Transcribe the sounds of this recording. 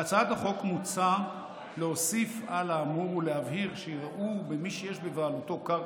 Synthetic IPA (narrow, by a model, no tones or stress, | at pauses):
at͡saat̪aχo̞kmut͡sa | leosifalaːmuʁuleɦavɦiʁʃeiʁaʔubemiʃejeʃbevaːlut̪o̞kaʁ